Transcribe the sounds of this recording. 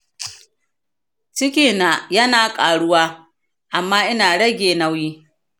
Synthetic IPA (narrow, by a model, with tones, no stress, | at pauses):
t͡ʃɪ˦kʲiː˦na˨jɐ˦naː˨kʼaː˨ɽʊ˦waː˦ | ʔa˨mːaː˦ʔɪ˦naː˨ɽɐ˦ɡʲeː˨na˦wjiː˦